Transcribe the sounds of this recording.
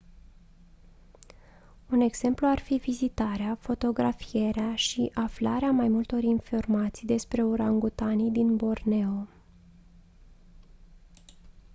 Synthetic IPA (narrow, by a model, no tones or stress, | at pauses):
une̞ɡz̥e̞mpluarfivizit̪aɾeafo̞t̪o̞ɡɾafije̞ɾeaʃiʔaflaɾeamajmult̪o̞ɾinfo̞rmat̪sijd̪e̞spɾe̞uɾaŋɡut̪anid̪inbo̞rne̞o